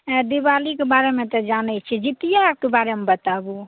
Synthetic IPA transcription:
d̪ibaːlikebaːɾemẽt̪ɔd͡ʒaːnɛt͡ʃʰɛd͡ʒɪt̪ijaːp̚kebaːɾemẽbət̪abu

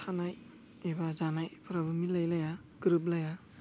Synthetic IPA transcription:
tʰanaj | ebazanajpʰɯɾabɯmilajlaja | ɡ̥ɾɯp̚laja

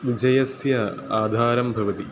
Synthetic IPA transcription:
ʋid͡ʑɐjɐsjɐ | aːd̪ʱaːɾɐmbʱɐʋɐt̪i

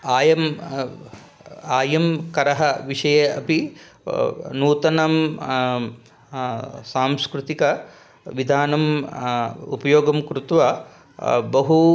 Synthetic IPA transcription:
aːjɐm | aːjɐmkɐɾɐɦɐʋiʂɐjeɐpi | nuːt̪ɐnɐm | saːmskɾut̪ikɐ | ʋid̪ʱaːnɐm | upɐjoːɡɐmkɾut̪ʋɐ | bɐɦu

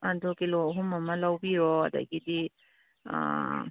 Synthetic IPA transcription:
andɔkelɔɦumamalawbiɾɔa̰da̰ɡidi | a̰

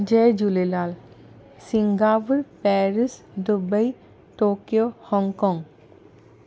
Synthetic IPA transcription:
d͡ʒed͡ʒulelaːl | siŋɡaːpuɾpɛɾis | d̪ubəi | ʈoːkijohɔŋkɔŋ

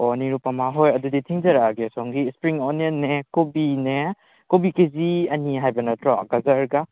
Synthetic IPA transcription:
oniɾupamaɦojɐduditʰiŋzɐɾaɡesɔŋɡispɾiŋoniɐnːekobine | kobikeziɐniɦajbɐnɐtɾɔɡazɐɾɡa

